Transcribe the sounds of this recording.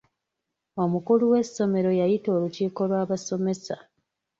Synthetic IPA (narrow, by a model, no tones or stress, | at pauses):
o̞mukuluwe̞sːo̞me̞ɾo̞jajito̞ːluciːko̞lwaːβaso̞me̞sa̰